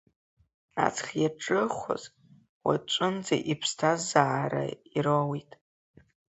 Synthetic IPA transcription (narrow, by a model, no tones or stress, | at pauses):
a̰t͡sʰχjaʈ͡ʂʼɨχʷa̰z | wa̰t͡ʃʷʼʊnd͡za̰ʔipʰstʰazaːɾa̰iɾowitʼ